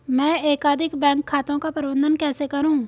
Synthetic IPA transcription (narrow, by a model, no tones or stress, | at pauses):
mɛ̃ːeːkaːd̪ʱɪkbɛ̃ːŋkʰːaːt̪õkapɐɾɪʋə̃nd̪ənkɛːsekɐɾũː